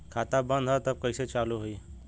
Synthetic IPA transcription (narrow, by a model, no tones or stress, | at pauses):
kʰaːt̪abə̃nd̪ʱɦət̪əb̚kəɪset͡ʃaːluɦoi